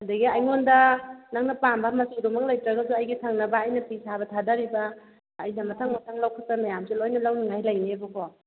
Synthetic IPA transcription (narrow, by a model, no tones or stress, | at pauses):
hadɐɡiajŋondɐnaŋnɐpambamɐsidumɐk̚lajtɾɐɡazuajɡitʰaŋnɐbaːjnɐpisabɐtʰadaɾibaː | jnɐmɐtʰaŋmatʰaŋlawkʰat̚pamajamsilojnɐlawniŋajlajniebɐkʰɔ